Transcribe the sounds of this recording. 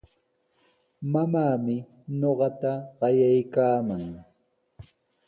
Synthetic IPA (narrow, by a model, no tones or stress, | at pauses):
mamaːmɪ | ɲoɢɑt̪aɢɑjajkaːmaŋ